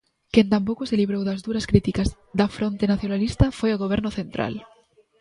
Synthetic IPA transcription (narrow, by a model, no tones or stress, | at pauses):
kent̪ampokoseliβ̞ɾowðazðuɾaskɾit̪ikaz | ðafɾont̪enaθjonalist̪afweoɣ̞oβ̞eɾnoθẽnt̪ɾa̰l